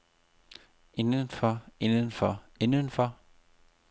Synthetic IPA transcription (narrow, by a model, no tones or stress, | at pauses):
e̝nənfɒe̝nənfɒ | enənfɒ